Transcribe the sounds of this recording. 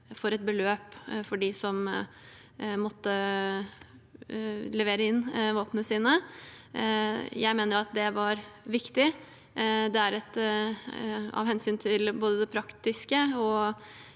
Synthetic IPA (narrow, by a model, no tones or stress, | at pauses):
fɔɾɛt̪̚bəløːpfɔɖɪsɔm | mɔt̪ːə | lɛʋeːɾəɪnːʋoːpənəsiːnə | jæɪmeːnəɾɑt̪̚d̪ɛʋɑɾʋɪkt̪ɪ | d̪ɛæɾɛt̪ | ɑ̰ʋhɛnsyːnt̪ʰɪlboːd̪əd̪ɛpʰɾɑkt̪ɪskəɔ